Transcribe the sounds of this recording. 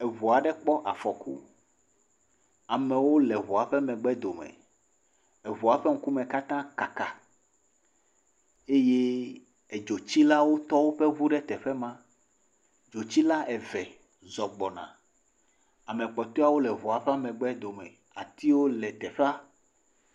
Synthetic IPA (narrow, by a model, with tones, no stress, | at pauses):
ɛ˨vɔ˨a˨ɖɛ˦k͡pɔ˦ʔa˨fɔ˨kṵ˦ | a˨mɛ̃˨wo˦lɛ˨vo˨a˨ɸɛ˦mɛ̃˨ɡ͡bɛ˦d̪o˨mɛ̰̃˨ | ɛ˨vɔ˨a˨ɸɛ˦ŋ̩˦ku˦mɛ̃˨ka˦t̪ã˦ka˨ka˨ | e˦je˦ | ɛ˨d͡ʒo˨t͡ɕi˦la˦wo˦t̪ɔ˦wo˦ɸɛ˦vu˦ɖɛ˦t̪ɛ˨ɸɛ˦mã˦ | d͡ʒo˨t͡ɕi˦la˦ʔɛ˨vɛ˨ | zɔ˨ɡ͡bɔ˨nã̰˨ | a˨mɛ̃˨k͡pɔ˨t̪ɔ˦a˦wo˦lɛ˨vɔ˨a˨ɸɛ˦a˦mɛ̃˨ɡ͡bɛ˦d̪o˨mɛ̰̃˨ | a˨t̪i˦wo˦lɛ˨t̪ɛ˨ɸa˦